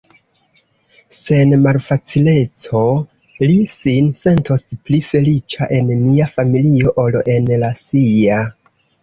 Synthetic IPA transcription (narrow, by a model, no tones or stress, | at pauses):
se̞nmalfat͡sile̞t͡so̞ | lisinse̞nto̞splife̞lit͡ʃaʔe̞nmiafamilio̞ʔolʔe̞nlasia